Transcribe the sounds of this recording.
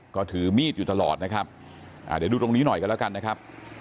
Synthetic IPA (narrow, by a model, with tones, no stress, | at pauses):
kɔː˥˩t̪ʰɯː˩˦miː˥˩t̪̚juː˨˩t̪a˧lɔ̰ː˨˩t̪̚na˦˥kʰa˦˥p̚ | ʔa̰˨˩daː˨˩˦jduː˧t̪o˧ŋniː˦˥nɔ˨˩jka˧lɛ˦˥ka˧nːa˦˥kʰa˦˥p̚